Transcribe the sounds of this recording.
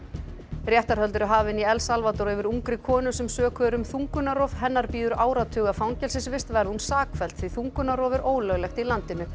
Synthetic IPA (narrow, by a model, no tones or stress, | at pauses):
rjɛht̪aɾ̥hœlt̪ʏɾaɦaːvɪniɛlsalvat̪ɔɾɛvɪɾuŋkɾɪkʰɔːnʏsɛmsœːkʰœɾʏmθuŋkʏnaɾɔv̥ɦɛnːaɾpiːðʏɾaːwɾat̪ʰʏːɣafawŋcɛlsɪnsvɪst̪vɛɾðɪhunsaːkfɛl̥t̪θviθuŋkʏnaɾɔːvɪɾʔoːwlœɣlɛxt̪ilant̪ɪnʏ